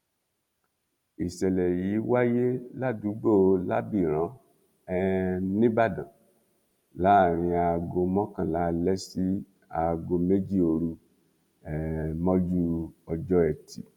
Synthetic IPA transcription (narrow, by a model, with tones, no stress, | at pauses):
i˨sɛ˨lɛ˨ji˨˦wa˦je˦la˦˨du˨˦ɡ͡bo˦˨˧la˦bi˦˨ɾ̃ã˨˦ | ɛ˦nĩ˦ba˦˨dã˨ | la˨˦˨ɾ̃ĩ˧a˧ɡo˧mɔ̃˦kã˨la˨˦˧lɛ˦si˦ | a˧ɡo˧me˦d͡ʒi˦˨o˧ɾu˧ | ɛ˨mɔ̃˦d͡ʒu˦ɔ˧d͡ʒɔ˦ɛ˨tʰi˨